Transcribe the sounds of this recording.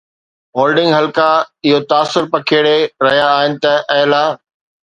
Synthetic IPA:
ɦoːlɖɪ̃ŋɡɦɐlkaɪɦot̪aːsʊɾpɐkʰeːɽeɾɐɦijaːɦɪnɪ̆t̪ɐʔɐɦlaː

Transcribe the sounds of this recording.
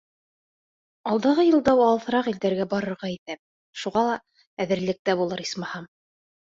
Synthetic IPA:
ɑlˠd̪ɑʁɤjɤ̆lˠd̪ɑwɑlˠθɤ̆ɾɑqild̪æɾɡæbɑɾɤ̆ɾʁɑiθæp̚ | ʃuʁɑlˠɑ | æðɘ̆ɾlɘ̆k̚t̪æbulˠɤɾismɑhɑm

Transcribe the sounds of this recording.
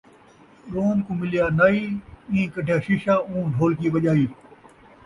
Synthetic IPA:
ɾoːnkũmɪlijaːnaːiːĩːkɐɖʱjaːʃɪʃaːũũɖʱoːlkiːʋɐʄaːiː

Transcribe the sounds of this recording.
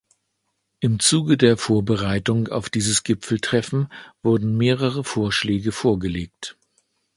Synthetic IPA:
ʔɪmt͡suːɡədeːɐfoːɐbəʁaɪtʊŋa̰ʊfd̥iːzəsɡ̥ɪpp͡fl̩tʁ̥ɛfn̩v̥ʊɐdn̩meːʁəʁəfoːɐʃlɛːɡəfoːɐɡəleːk̚t

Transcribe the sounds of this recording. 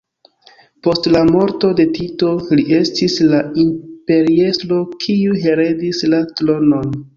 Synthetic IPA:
po̞stlamo̞ɾto̞de̞tito̞liʔe̞stislaimpe̞ɾie̞slo̞kʰiuɦe̞ɾe̞dislatlo̞no̞n

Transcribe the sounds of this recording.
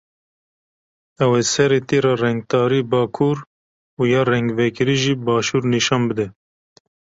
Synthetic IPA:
ɛwesɛɾeːt̪eːɾɑːrɛŋɡ̚t̪ɑːɾiːbɑːkʰuːɾ | uːjɑːrɛŋɡvɛkɨɾiːʒiːbɑːʃuːɾniʃɑːnbɨd̪ɛ

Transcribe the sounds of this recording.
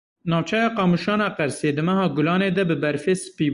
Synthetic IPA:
nɑːvt͡ʃʰɛjɑːqɑːmuʃɑːnɑːqɛɾseːd̪ɨmɛɦɑːɡʊlɑːneːd̪ɛbɨbɛɾfeːsɨ̥piː

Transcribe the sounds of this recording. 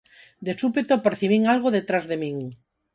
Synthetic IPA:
d̪esupet̪opeɾθiβ̞iŋalɣ̞oðet̪ɾazðemĩŋ

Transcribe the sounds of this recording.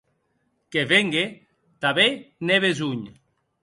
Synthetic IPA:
keβeŋɡe | t̪aβeneβezuɲ

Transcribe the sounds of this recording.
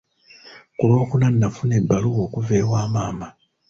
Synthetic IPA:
kulo̞ːkunanːafune̞bːaluɣo̞ːkuve̞ːwaːmaːma

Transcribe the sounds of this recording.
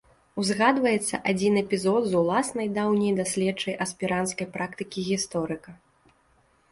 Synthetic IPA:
wzɣad̪vɐjɛt̪sːɐʔad͡zʲinɛpʲizɔd̪zulˠasnɐjd̪awnʲɛjd̪asʲlʲɛt͡ʂɐjʔɐsʲpʲiɾʔant̪skɐjpɾʔakt̪ɨkʲiɣʲist̪ɔɾɨkɐ

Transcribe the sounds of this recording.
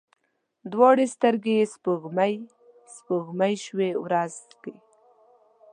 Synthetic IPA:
d̪wɑɽest̪aɾɡespəɣmaj | spəɣmajʃwewɾazke

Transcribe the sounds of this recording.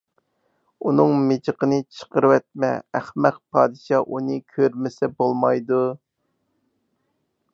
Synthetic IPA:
unɨŋmɪd͡ʒəqʰənɨt͡ʃʰə̥qəɾwɛt̪̚mɛ̰æχmæq̚pʰɑːd̪ɨʃɑʔunɨkʲʰøɾmɪsɛbolˠmɑjd̪u

